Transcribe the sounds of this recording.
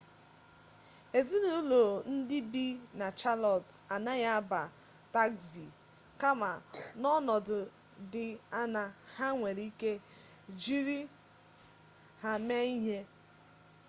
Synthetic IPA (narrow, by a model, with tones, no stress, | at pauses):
e˨zi˦nu˦u˦lo˨n̩˦dɪ˦bi˦na˨t͡ʃa˦lɔ˨ta˨na˦ɣa˦ba˨ | ta˦ksi˨ | ka˦ma˨nɔ˦nɔ˨dʊ˨ | dɪ˨a˦na˨ha˦ŋʷe˨ɾi˦ke˦ | d͡ʒi˦ɾi˦ | ha˨me˦i˦ɦe˦